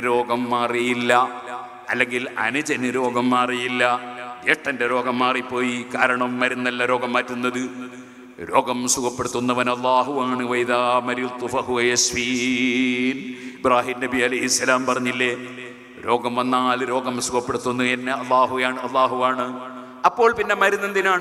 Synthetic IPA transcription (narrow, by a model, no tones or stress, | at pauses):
ɾo̞ːɡɐmːaːrijilːɐ | ɐlːe̞ŋɡilɐ̰nud͡ʑɐnɨɾo̞ːɡɐmːaːrijilːɐjeʈːɐndeɾo̞ːɡɐmːaːripːo̞ːjikaːɾɐɳɐmːɐɾunːɐlːɐɾo̞ːɡɐmːaːtːunːɐðɨ | ɾo̞ːɡɐmsuɣɐpːeɽut̪ːunːɐʋɐnɐlˠˤːaːɦuʋaːɳɨʋɐjðaːmɐɾilt̪ːufɐɦuʋɐjɐsfi | nibraːɦiːnnɐbiɐlɐjɦisːɐlaːmpɐrɐɲːilːe̞ | ɾo̞ːɡɐmʋɐnːaːlɾo̞ːɡɐmsukɐpːeɽut̪ːunːuenːeɐlːaːɦujaːɳɨɐlːaːɦuʋaːɳɨ | ɐpːo̞ːɭpinːe̞mɐɾunːend̪inaːɳ